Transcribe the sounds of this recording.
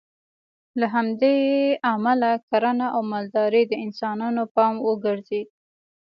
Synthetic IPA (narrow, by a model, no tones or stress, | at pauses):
laɦamd̪eamalakaɾənaʔawmɑld̪ɑɾid̪əɪnsɑnɑnopɑmwəɡəɾzed̪̚